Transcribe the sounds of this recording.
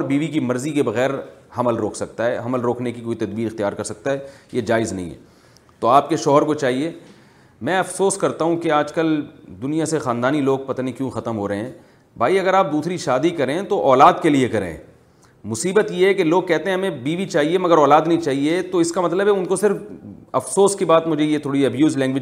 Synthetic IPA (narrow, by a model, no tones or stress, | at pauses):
ɔɾbiːʋikimɐɾzikebɐɣɛːɾhɐməlɾoːkʰsɐk̚t̪aɦɛ̰ːɦɐməlɾoːkʰnekikoːit̪ɐd̪biːɾɪxt̪ijaːɾkɐɾsɐk̚t̪aɦɛjed͡ʒaːɪznɐ̰ɦḭ̃ɦɛ̰ː | t̪oaːp̚keʃɔːɦəɾkot͡ʃaːɦieː | mɛ̃ːɐfsoːskɐɾt̪aɦũkeaːd͡ʒkəld̪ʊnijasexaːnd̪aːniloːɡ̚pɐt̪aːnikjũːxɐt̪əmɦoːɾɐɦeɦɛ̃ː | bʱaːiɐɡəɾaːp̚d̪uːsɾiʃaːd̪ikɐɾẽt̪oʔɔːlaːd̪keliekɐɾḛ̃ː | mʊsiːbət̪jeɦɛkeloːɡ̚kɛɦt̪eɦɛ̃ɦɐmẽbiːʋit͡ʃaːɦiemɐɡəɾɔːlaːd̪nɐɦĩt͡ʃaːɦiet̪oɪskamɐt̪ləbɦɛʊnkosɪɾfɐfsoːskibaːt̪mʊd͡ʒʱejet̪ʰoːɽiɐbjuːzlɛ̃ːŋɡʋɪ